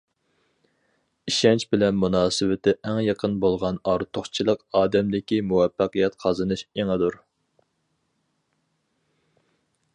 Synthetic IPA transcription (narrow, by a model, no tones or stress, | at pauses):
iʃɛnt͡ʃbɪlɛnmunɑːsɨwɪt̪ʰɪʔæŋjɑqʰənbolˠʁɑnɑɾt̪ʰoχt͡ʃʰilˠəqɑːd̪ɛmd̪ɪkʲimuwɛfːɑqijɛt̪qʰɑzɨnɨʃeŋæd̪uɾ